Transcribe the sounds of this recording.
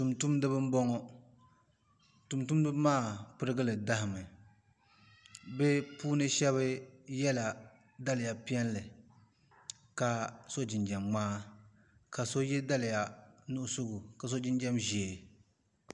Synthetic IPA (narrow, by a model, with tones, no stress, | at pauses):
tu˨mtu˦mdɨ˦bɨ˦m̩˦bɔ˦ŋɔ˦ | tu˨mtu˦mdɨ˦bmaː˦˨pɨ˦ɾɨ˦ɡɨ˦lɨ˨da˦hɪ˨mɨ˨ | bɛ˦puː˦nɨ˦ʃɛ˦βɨ˦jɛ˦la˨ | da˦lɪ˨ja˨pi˦ɛ˦nlɨ˨ | ka˨so˦d͡ʒɪ˨nd͡ʒɛ˨mːaː˦ | ka˨so˦jɛ˦da˦lɪ˨ja˨nu˦ʔʊ˦sʊ˦ɡʊ˨ka˨s̬o˦d͡ʒɪ˦nd͡ʒɛ˦mʒeː˨